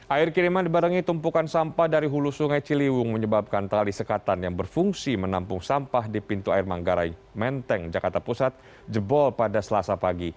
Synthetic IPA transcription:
ʔaɪrkiɾimandibaɾaŋit̪umpukansampahdaɾiɦulusuŋajt͡ʃiliwʊŋməɲəbap̚kant̪alisəkat̪anjaŋbərfuŋsimənampʊŋsampahdipint̪uaɪrmaŋɡaɾa̰jmɛnt̪ɛŋd͡ʒakart̪apusat̪̚ | d͡ʒəbɔlpadasəlasapaɡi

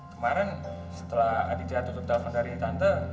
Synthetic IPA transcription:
kəmaɾənsə̥t̪əlaha̰did͡ʒat̪ut̪up̚t̪afandaɾit̪ant̪ə

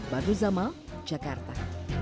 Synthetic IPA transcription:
baduzamad͡ʒakart̪a

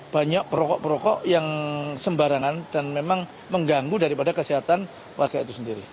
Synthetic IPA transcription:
b̥aɲak̚pəɾɔkɔʔpəɾɔkɔʔjaŋsəmbaɾaŋand̥anmemaŋ | məŋɡaŋɡudaɾipadakəsiɦat̪an | wʔarɡ̥ait̪usəndiɾi

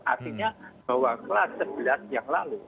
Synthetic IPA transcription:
ʔa̰siɲab̥awaŋkəlasəb̥i̤lanjaŋlalu

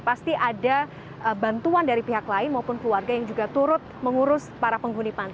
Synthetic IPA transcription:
past̪iʔada | əbant̪uandaɾipiɦaklaɪnmaupʊnkluarɡajaŋd͡ʒuɡat̪uɾʊt̪̚məŋuɾʊspaɾapəŋɡunipan

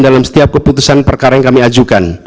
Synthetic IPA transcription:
dalamsə̥t̪iap̚kəput̪usanpərkaɾajaŋkamiad͡ʒukan

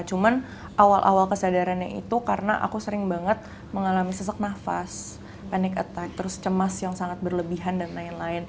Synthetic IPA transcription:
t͡ʃuman | ʔawalʔa̰walkəsadaɾanɲaʔḭt̪ukaɾənaʔa̰kusəɾɪŋbaŋət̪̚ | məŋalamisəs̬ak̚nafas | panɛkə̰t̪ak̚t̪əɾʊst͡ʃəmasjaŋsaŋat̪̚bərləbiɦandanlaɪnlaɪn

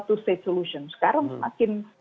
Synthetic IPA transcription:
t̪uset̪soluʃɔnskaɾənsəmakɪn

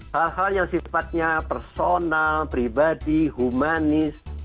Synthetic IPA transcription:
halɦaljaŋsifat̪̚ɲapɛrsonalpɾibadiɦumanɪs

